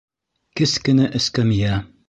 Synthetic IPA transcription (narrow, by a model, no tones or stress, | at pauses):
kɘskɘ̆nɘʔɘ̆skæmjæ